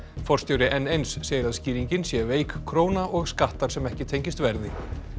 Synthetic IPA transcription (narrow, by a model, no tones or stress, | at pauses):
fɔr̥st̪jowɾɪʔɛnːejnsːeːjɪɾaðsciːɾiɲcɪnsjɛveːjkkʰɾoːwnaʔɔɣskaht̪aɾ̥sɛmɛhcɪt̪ʰejɲcɪst̪vɛɾðɪ